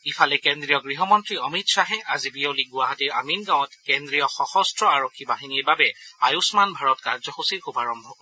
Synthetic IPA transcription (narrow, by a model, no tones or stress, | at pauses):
ifʰalɛkendɹijɔɡɹiɦɔmɔntɹiɔmitsaɦɛʔazibioliɡuaɦatiɹaminɡãw̃ɔtkendɹijɔxɔxɔstɹɔaɹokʰːibaɦiniɹbabɛajusmanbʱaɹɔtkaɹzɔxusixubaɹɔmbʱɔkɔ